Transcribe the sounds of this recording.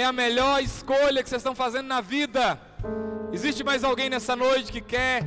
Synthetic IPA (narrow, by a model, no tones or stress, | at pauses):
ɛɐmeʎɔɾɪskoʎɐkɪsezst̪ɐ̃w̃fazẽnd̪ʊnɐvid̪ɐ | ɪzist͡ʃɪmajzawɡẽj̃nɛsɐnojt͡ʃɪ̥kɪkɛɾ